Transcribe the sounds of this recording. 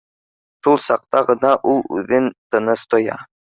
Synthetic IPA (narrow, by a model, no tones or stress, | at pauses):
ʃulˠsɑq̚t̪ɑʁɤ̆nɑʔulˠʉ̰ðɘnt̪ɤ̆nɤst̪ŏjɑ̰